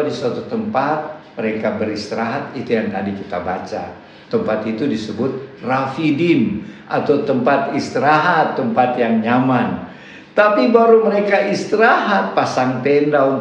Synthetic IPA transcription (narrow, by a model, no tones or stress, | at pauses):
disuat̪ut̪əmpat̪̚məɾekabəɾist̪iɾaɦat̪̚it̪ujaŋt̪adikit̪abat͡ʃa̰ | t̪əmpat̪it̪udisəbʊt̪̚rafidinʔat̪awt̪əmpat̪ist̪iɾaɦat̪ːəmpat̪jaŋɲaman | t̪apibaɾuməɾekaʔist̪iɾaɦat̪̚pasaŋt̪endaun